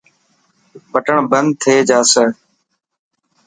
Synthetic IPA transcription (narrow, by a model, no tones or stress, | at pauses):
pəʈəɳbənd̪̚t̪ʰeːd͡ʒaːsə